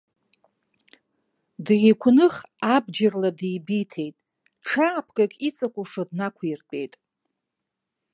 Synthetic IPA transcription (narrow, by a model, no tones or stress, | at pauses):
dʕikʷʰʊnɨχabd͡ʒarladjbitʰe̞jtʼ | ʈ͡ʂʰaːpʰɡʼakʼit͡sʼakʷʼuʂodnakʷʰirpʼe̞̰jtʼ